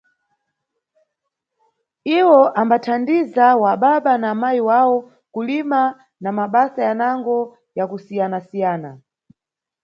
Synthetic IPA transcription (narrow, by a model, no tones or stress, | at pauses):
iwɔʔambatʰandizawaɓaɓanamaiwawɔ | kulima | namaɓasajanaŋɡɔ | jakusijanasijaːna